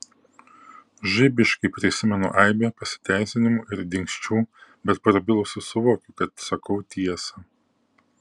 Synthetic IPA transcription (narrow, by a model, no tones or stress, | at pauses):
ʒɪbʲɪʃkɐɪpʲɾʲɪsʲɪmʲɛnʊ̰ʔɐˑɪbʲepɐsʲɪ̥t̪ʲæˑɪsʲɪnʲɪmuʔɪɾd̪ʲɪŋʲksʲt͡ʃʲuːbʲɛt̪̚pɐɾɐbʲɪlˠʊsʲʊsʊʋoːkʲʊkɐt̪sɐkɐʊt̪ʲiɛsɐ